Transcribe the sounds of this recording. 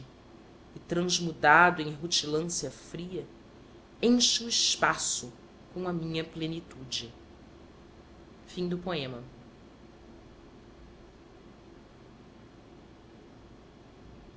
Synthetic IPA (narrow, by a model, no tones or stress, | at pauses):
ɪt̪ɾɐ̃zmud̪ad̪ʊẽj̃ɦut͡ʃilɐ̃siɐfɾiɐ | ẽʃuɪʃpasʊ | kõɐmĩɲɐplenit̪ud͡ʒɪ | fĩd̪ʊpoẽmɐ